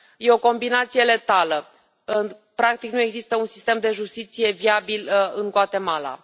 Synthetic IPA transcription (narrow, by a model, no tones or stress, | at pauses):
je̞o̞ko̞mbinat̪sije̞le̞t̪alə | pɾakt̪iknue̞ɡzist̪əunsi̥st̪e̞md̪e̞ʒust̪it̪sije̞viabilɨŋɡwat̪e̞mala̰